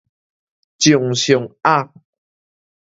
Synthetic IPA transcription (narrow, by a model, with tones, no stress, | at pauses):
t͡ɕjo˨ŋɕjo˨˩ŋa˥˦˨k̚